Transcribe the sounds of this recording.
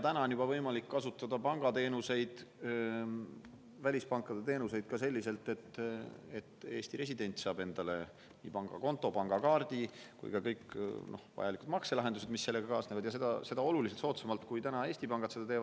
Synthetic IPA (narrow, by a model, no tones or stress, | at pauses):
jt̪ænɑonjubɑvɤ̞jmɑlikːɑsut̪ːˑɑd̪̥ɑpɑŋɡ̥ɑt̪e̞ːnuse̞jd̪̥ | vælʲispɑŋkːˑɑd̪et̪e̞ːnuse̞jd̪̥̚kɑse̞lʲːise̞lt̪ˑe̞t̪ːe̞t̪ːˑe̞ːst̪iɾe̞sid̪̥e̞nʲt̪sɑːbe̞nd̪̥ɑle̞ | nʲḭːpɑŋɡ̥ɑ̰ko̞nt̪ːˑo̞pɑŋɡ̥ɑkɑːrd̪̥ikṵjkɑkɤjkno̞̰hvɑ̰jɑlikud̪mɑkse̞lɑɦed̪̥used̪̥misːse̞lːe̞ɡɑkɑːsne̞vɑd̪jɑse̞d̪ɑ̰se̞d̪̥ɑo̞luliset̪so̞ːt̪semɑlt̪kujt̪ænɑe̞ːst̪ipɑŋɡ̥ɑt̪sed̪ɑt̪eːvɑ̥